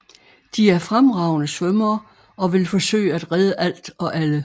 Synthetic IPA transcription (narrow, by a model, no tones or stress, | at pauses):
d̥iæɐfʁamʁɑ̈ʊ̰nəsʋœmɐː | ɒ̽ʋe̝lfɒ̽sø̰ɪəæd̥ʁɛð̞ˠəʔæl̰d̥ɒ̽ʔælə